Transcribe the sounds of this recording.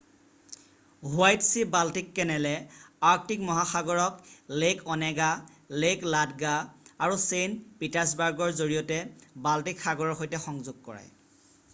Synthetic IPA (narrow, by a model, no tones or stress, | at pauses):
ɦʊajtsibaltikːɛnɛlɛaɹk̚tikmɔɦaxaɡɔɹɔklekɔnɛɡa | lekladɡaːɹusenpitas̬baɹɡɔɹzoɹijɔtɛbaltikxaɡɔɹɔɹxojtɛxɔŋzʊɡ̚kɔ̰ɹa̰j